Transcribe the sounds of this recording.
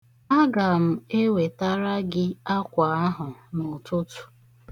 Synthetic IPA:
a˦ɡa˨m̩˨e˦we˨ta˦ɾa˦ɡɪ˦a˦kʷa˨a˦ɦʊ˨nʊ˨tʊ˦tu̥˨

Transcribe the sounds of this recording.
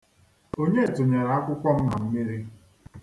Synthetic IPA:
o˦ɲe˦˨tʊ˨ɲe˨ɾa˨a˦kʷʊ˦kʷɔ˦m̩˦na˨m̩˦mi˦ɾi˦

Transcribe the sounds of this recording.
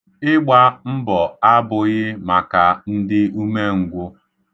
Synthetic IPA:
ɪ˦ɡ͡ba˦m̩˦bɔ˨a˦bʊ˨ɣɪ˦ma˨ka˨n̩˦dɪ˦u˦me˦ŋ̩˨ɡʷʊ˦

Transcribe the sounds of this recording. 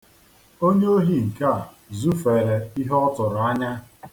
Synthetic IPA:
o˦ɲe˦o˦ɦi˦ŋ̩˨ka˦a˨ | zu˦fe˨ɾe˨i˦ɦe˦ɔ˦tʊ˨ɾʊ˨a˦ɲa˦

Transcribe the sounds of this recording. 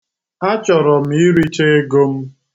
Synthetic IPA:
a˦t͡ʃɔ˨ɾɔ˨m̩˨˦i˦ɾi˦t͡ʃe˦e˦ɡo˦m̩˦

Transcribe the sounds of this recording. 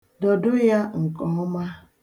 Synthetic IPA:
dɔ˨dʊ˦ja˦ŋ̩˨kɔ˨ɔ˦ma˦

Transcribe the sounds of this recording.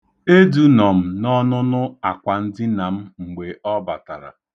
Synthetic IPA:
e˦du˦nɔ˨m̩˨nɔ˦nʊ˦nʊ˦a˨kʷa˨n̩˦dɪ˦na˨m̩˦ŋ͡m̩˨ɡ͡be˨ʔɔ˦ba˨ta̰˨ɾa̰˨

